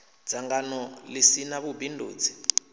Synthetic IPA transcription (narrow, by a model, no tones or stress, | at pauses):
d͡z̥aŋɡanɔlisinaβubindʱo̰ːd͡zi̥